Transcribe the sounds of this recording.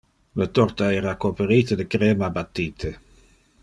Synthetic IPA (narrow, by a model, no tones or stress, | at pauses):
lət̪ɔɾt̪aɛːɾakopeɾiːt̪əd̪əkɾɛːmabat̪ːiːt̪ʰe